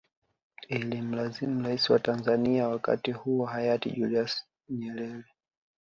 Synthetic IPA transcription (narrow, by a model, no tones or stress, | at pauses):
ilim̩lazimuɾaisiwatanzaniawaka̰tihuɔhajatḭʄulias | ɲɛɾɛɾɛ